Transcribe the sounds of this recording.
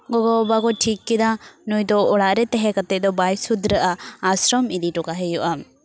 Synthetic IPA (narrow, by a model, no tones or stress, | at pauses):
ɡɔɡɔbakɔʈʰikːɛd̪anujd̪ɔɔɽaʔɾɛt̪ɛɦɛkat̪ɛʔ̚d̪ɔbajsud̪ɾəʔaːsɾɔmid̪iʈɔkaɦɛjuʔa